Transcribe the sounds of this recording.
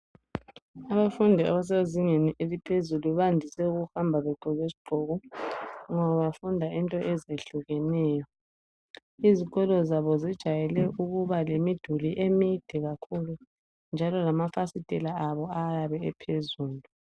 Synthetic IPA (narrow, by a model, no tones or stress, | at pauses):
aβafundʱia̰βas̬ɛeziŋeniʔezipʰezuluβandʱisɛuɣuhambʱaβɛɡ͡ǃʱɔɣesi̥ɡ͡ǃʱɔɣɔ | ŋɔβaβafundʱaintʼɔʔɛzeɬuɣɛnɛːjɔ | iziɣɔlɔzaβɔzid̥ʒ̥ʱajɛlɛʔuɣuβalemid̥ʱuliʔemid̥ʱɛɣakʰulu | nd͡ʒʱalɔlamafasitʼɛlaːβɔajaβɛɛpʰezuːlu